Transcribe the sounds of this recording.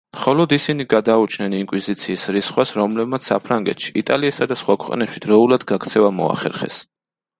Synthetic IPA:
mχɔlɔd̪isiniɡad̪aut͡ʃʰnɛniŋkʼwizit̪sʰiːsɾisχwasɾɔmlɛbmat̪sʰsa̰pʰɾaŋɡɛt̪ʃi̥it̪ʼaliɛsad̪asχwakʰwɛqʼnɛpʃid̪ɾɔulad̪ɡakʰt̪sʰɛvamɔ̰a̰χɛ̰ɾχɛ̰s

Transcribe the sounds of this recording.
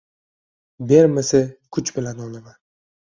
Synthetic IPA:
beɾmɪsɪkʰʊt͡ʃbɪlanɒlɪman

